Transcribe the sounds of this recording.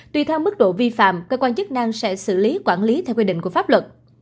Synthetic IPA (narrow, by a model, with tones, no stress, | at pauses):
t̪wi˧t̪ʰɛ˧wmɨ˦˥k̚ɗo̰˧˨vi˧fa̰ː˧˨mkəː˧kwaː˧nt͡ɕɨ˦˥k̚na˧ŋsɛ̰˧˥sɨ̰˧˩li˨˦kwaː˧˩nli˨˦t̪ʰɛ˧wkwi˧ɗḭ̈˧˨ŋkəfaː˦˥p̚lwə˨˩t̚